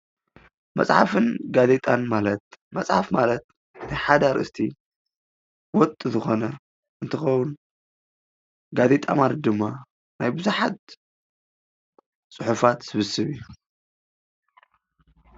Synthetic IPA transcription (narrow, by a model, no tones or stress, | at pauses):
mɐ̰sʼħa̰fɨnɡaze̞t̪ʼanmalɐt̪̚mɐsʼħa̰fmalɐt̪̚ | tʰajħad̪aɾɨst̪ʰi | wɔt̪ʼːɨzɨxo̞nɐ | ɨnt̪ʰɐxɐwun | ɡaze̞t̪ʼa̰malɐd̪ɨmːa | najbɨzuħat̪ | sʼɨħufat̪sɨβɨsɨβiju